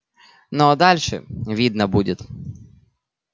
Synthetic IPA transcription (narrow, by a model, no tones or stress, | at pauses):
nod̪alʲʂɛ̰vʲid̪nɐbudʲɪt̪